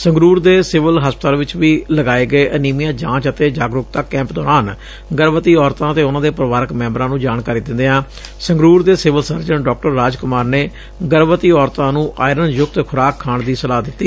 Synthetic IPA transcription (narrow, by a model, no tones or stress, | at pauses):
səŋɡɾuːɾd̪eːsɪʋəlɦəspət̪aːlʋɪt͡ʃʋiːləɡaːeːɡəeːʔəniːmijãːd͡ʒãːt͡ʃət̪eːd͡ʒaːɡɾʊkt̪aːkɛ̃ːmpd̪ɔːɾaːn | ɡəɾʋət̪iːɔːɾt̪ãːət̪eːʊnãːd̪eːpɾəʋaːɾəkmɛ̃ːmbɾãːnũːd͡ʒaːɳkaːɾiːd̪ɪ̃nd̪eːãː | sə̃ŋɡɾuːɾd̪eːsɪʋəlsəɾd͡ʒənɖɔːk̚ʈəɾːaːd͡ʒkʊmaːɾneː | ɡəɾʋət̪iːɔːɾt̪ãːnũːʔaːɪɾənjʊk̚t̪kʰʊɾaːkʰːaːɳd̪iːsəlaːd̪ɪt̪ːiː